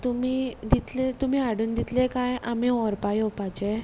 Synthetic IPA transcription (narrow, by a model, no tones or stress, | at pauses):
t̪umiːd̪it̪let̪um̤iːaɽuːnd̪it̪lekajamĩɔɾpajɔpat͡ɕe